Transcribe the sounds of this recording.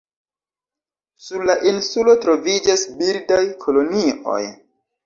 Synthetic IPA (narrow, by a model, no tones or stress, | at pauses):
suɾlaʔinsulo̞tɾo̞vid͡ʒasbildajkʰolo̞nio̞̰j